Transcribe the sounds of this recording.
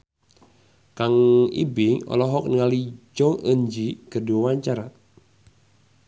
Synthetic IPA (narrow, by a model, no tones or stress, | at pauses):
kaŋḭbɪŋɔ̰lɔɦɔk̚nəŋalid͡ʒɔŋəɲd͡ʒikərduawaɲt͡ʃaɾa